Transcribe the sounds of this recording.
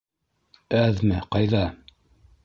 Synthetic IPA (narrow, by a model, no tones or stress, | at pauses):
æðmɘqɑjðɑ